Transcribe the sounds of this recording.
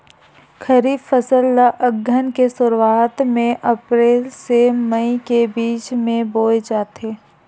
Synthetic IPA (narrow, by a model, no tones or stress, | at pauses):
kʰəɾiːffəsəlːaʔəɡʱənkesʊɾwaːt̪mẽʔɐpɾeːlseməikebiːt͡ʃmẽboːed͡ʒaːt̪ʰeː